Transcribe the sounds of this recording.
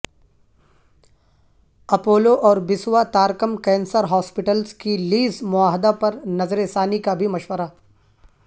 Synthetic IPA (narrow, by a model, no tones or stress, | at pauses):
ɐpoːloʔɔːɾbɪswat̪aːɾkəmkɛ̃ːnsəɾɦɔːspɪʈəlskiliːzmʊaːɦd̪apɐɾnɐzɾesaːnikabʱimɐʃwəɾaː